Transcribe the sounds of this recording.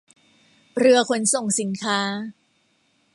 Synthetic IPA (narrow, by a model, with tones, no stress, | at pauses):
ɾɯ˧ɐkʰo˧nso˨˩ŋsi˩˦nkʰaː˦˥